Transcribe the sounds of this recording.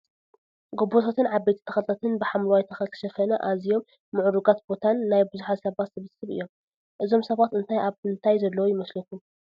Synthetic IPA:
ɡobot̪ʰat̪ʰɨnʕabːejt̪ʰi̥t̪ʰɐxɐlt̪ɐt̪ʰɨnbɨħamlwajt̪ʰɐxɐkʰɨ̥ʃɐfɐnɐʔazijo̞mː | ɨʕuɾuɡat̪̚bo̞t̪ʰanːajbɨzuħasɐβat̪sɨβɨsɨβɨ̰jːo̞m | ʔɨzo̞msɐβat̪ɨnt̪ʰajaβɨnt̪ʰajzɐlːɐwojɪmɐslɐkʰu

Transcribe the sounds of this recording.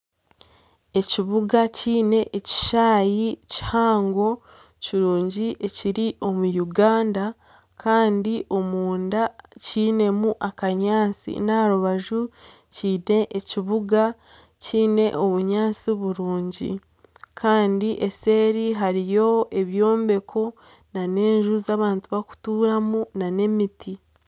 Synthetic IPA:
e̞ciβuɡaciːne̞ʔːci̥ʃaːjici̥haːŋɡo̞ | ciɾuːɲɟiʔe̞ciɾiʔo̞mujuɡaːnda | kʰaːndiʔo̞muːndaciːne̞muʔakaɲaːt͡sḭnaɾuβaʒu | ciːne̞ʔeciβuɡa | ciːne̞ʔo̞βuɲaːt͡siβuɾuːɲɟḭ | kʰaːndiʔe̞se̞ːɾiɦaɾijo̞e̞βjo̞ːmbe̞kʰo̞ | nane̞ːɲʒuzaːβaːntuβaku̥tuːɾamunane̞miti

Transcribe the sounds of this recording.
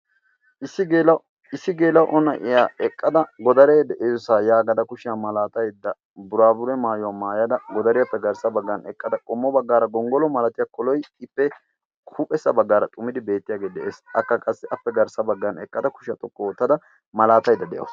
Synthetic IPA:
ɪsːɪɡeːlɐ | ɪsːɪɡeːlɐwʔɔnɐʔɪjaːɛkʼːɐd̪ɐɡɔd̪ɐɾeːd̪ɛʔeːssaːjaːɡɐd̪ɐkʊʃɪjamɐlaːt̪ɐjd̪ːɐ | bʊɾaːbʊɾɛmaːjʊwaːmaːjɐd̪ɐɡɔd̪ɐɾɪjɐpːɛɡɐɾsɐbɐɡːɐnɛkʼːɐd̪ɐkʼɔmːɔbɐɡːaːɾɐɡɔŋɡɔlɔmɐlɐt̪ɪjakɔlɔjɪpːɛ | kʰupʼɛsːɐbɐɡːaːɾɐt̪ʼʊmɪd̪ɪbe̞ːt̪ːɪjaːɡeːd̪ɛʔeːsɐkːɐkʼɐsːɪʔɐpːɛɡɐɾsɐbɐɡːɐnɛkʼːɐd̪ɐkʊ̥ʃɪjɐt̪ɔkːɔwɔt̪ːɐd̪ɐ | mɐlaːt̪ɐjd̪ːɐd̪ɛjɐ̰w

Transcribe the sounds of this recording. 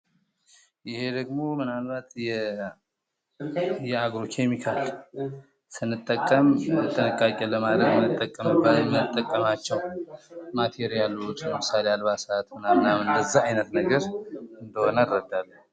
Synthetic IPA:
jɪhe̞d̪əɡmo̞mɨnalbat̪jɛ | jɛaɡɾo̞kʰe̞mikʰal | sɨnːɨt̪ʼːəkʼːəmət̪ʰːənəkʼːakʼːɛləmad̪ɾəɡɨt̪ʼːəkʼːəmɨbaməɨt̪ʼːəkʼːəmat͡ʃːɛwmat̪ʰeɾijalːut͡ʃləmɨsalealβasat̪mɨnanːamɨnd̪əzːaajnət̪nəɡəɾɨnd̪əho̞nərːəd̪ːalːəh

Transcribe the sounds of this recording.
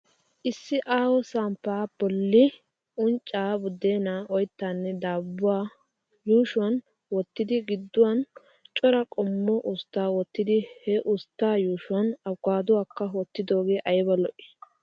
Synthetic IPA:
ʔɪsːɪʔaːwɔsampːaːb̥ɔlːɪ | ʊnt͡ʃʼːaːbʊd̪eːnaːʔɔjt̪ːaːnːɛd̪aːbːʊwaː | juːʃʊwɐn | wɔt̪ːɪd̪ɪɡɪd̪ːʊwɐn | t͡ʃʼɔɾɐkʼɔmːɔʔʊst̪ːaːwɔt̪ːɪd̪ɪhɛʔʊst̪ːaːjuːʃʊɐnɐɡaːd̪ʊwaːkːɐwɔt̪ːɪd̪o̞ːɡeːʔɐjbɐlɔʔɪ̥

